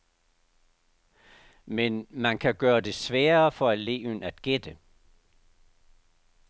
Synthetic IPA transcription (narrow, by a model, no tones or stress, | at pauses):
menmænkʰæɡ̥ɶːɐd̥e̝sʋɛːɐfɒ̽ele̝̰ːʊənæd̥ɡ̥ed̥ə